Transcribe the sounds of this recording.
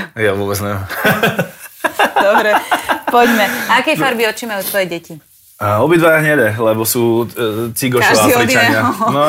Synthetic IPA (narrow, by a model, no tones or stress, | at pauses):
jɛɔbɛd͡znɛɛ | d̪ɔbɾɛpɔɟmɛakɛjfaɾbiɔt͡ʃimajuːt̪ʋɔjɛɟɛci | aɔbid̪ʋajaɦɲɛd̪ɛlɛbɔsuːt͡siɡɔʃɔaliiaɲɪaɔnɔ